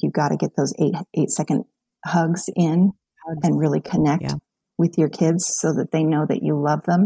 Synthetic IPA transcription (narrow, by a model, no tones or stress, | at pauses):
jɨɡɑɾɨ̰ɡɛt̪̚ðoʊzeɪt̚ʔeɪtsɛkɨ̃nd̥̚ | hʌɡz̥ɪ̃n | ɨ̃nɹɪlˠikʰɨnɛk̚t̚ | wɨðjə˞kʰɪdz̥soʊðɨt̪̚ðeɪnoʊðɨ̰t͡ʃɨlʌvðə̃m